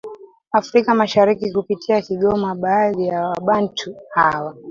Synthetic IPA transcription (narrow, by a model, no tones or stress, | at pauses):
afɾikamaʃaɾikikupitʰiakiɠɔmaɓaːðijawaɓantʰuhawa